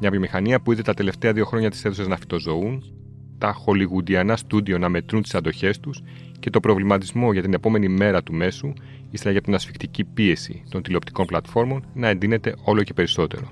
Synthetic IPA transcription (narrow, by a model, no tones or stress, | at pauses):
mɲɐvjo̞mixɐniɐpuiðet̪ɐt̪e̞le̞ft̪e̞ɐðio̞xɾo̞ɲɐt̪i̥se̞θusɐznɐfi̥t̪o̞zo̞un | t̪ɐxo̞liɣud̪iɐnɐst̪ud̪io̞nɐme̞t̪ɾunt̪i̥sɐnd̪o̞çe̞st̪us | ce̞t̪o̞pɾo̞vlimɐt̪izmo̞ʝɐt̪ine̞po̞me̞nime̞ɾɐt̪ume̞su | isθelɐʝɐt̪inɐsfi̥kt̪icipie̞sḭt̪o̞nt̪ileo̞p̚t̪i̥ko̞nplɐt̪fo̞ɾmo̞nnɐe̞nd̪ine̞t̪e̞ʔo̞lo̞ce̞pe̞ɾiso̞t̪e̞̰ɾo̞